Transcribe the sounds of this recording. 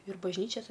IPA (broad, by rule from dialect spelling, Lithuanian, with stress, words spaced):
ɪr bɐʒʲˈnʲiːt͡ʃʲɛs